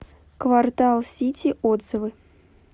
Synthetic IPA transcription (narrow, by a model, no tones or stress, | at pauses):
kvart̪alˠsʲitʲiʔod̪z̥ɨvɨ